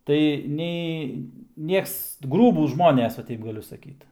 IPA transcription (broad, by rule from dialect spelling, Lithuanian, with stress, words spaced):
tɐɪ ˈnʲɛɪ ˈnʲiɛks ˈɡruːbuːs ˈʒmoːnʲɛs ʋɐ ˈtʲɛɪp ɡɐˈlʲʊ sɐˈkʲiːt